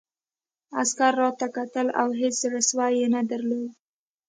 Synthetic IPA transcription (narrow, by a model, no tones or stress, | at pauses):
askaɾːɑt̪akat̪əla̰wɦet͡szəɾaswajenad̪aɾlod̪